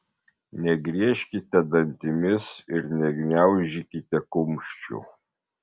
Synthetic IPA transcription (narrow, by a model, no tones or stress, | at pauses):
nʲɛɡɾʲiɛʃʲkʲɪt̪ʲɛd̪ɐnʲt̪ʲɪmʲɪsɪɾnʲɛɡʲnʲæʊʒʲikʲɪt̪ʲɛkʊmʲʃʲt͡ʃʲṵ